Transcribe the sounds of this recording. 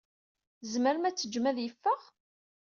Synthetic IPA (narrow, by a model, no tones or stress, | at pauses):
zməɾmæt͡sːəd͡ʒːmæðjəfːəʁ